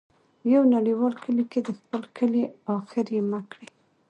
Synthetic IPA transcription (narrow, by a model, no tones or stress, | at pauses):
jawnaɽiwɑlkʰəliked̪əxpəlkʰəliɑxɪɾemakɽi